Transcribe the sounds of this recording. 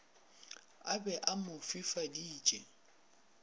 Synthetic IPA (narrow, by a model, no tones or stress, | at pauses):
abɛʔamʊfifadiːt͡ʃʼɛ